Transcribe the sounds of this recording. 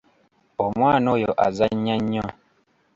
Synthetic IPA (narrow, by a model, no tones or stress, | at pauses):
omwaːnojoʔazaɲaɲːɔ